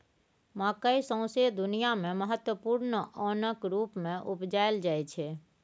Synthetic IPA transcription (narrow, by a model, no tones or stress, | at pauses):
maːkəisə̃ʊ̃sed̪ʊnijamẽməɦət̪wəpuːɾnəʔɔːnəkɾuːpmẽʔʊpd͡ʒaːeld͡ʒaːɛt͡ʃʰe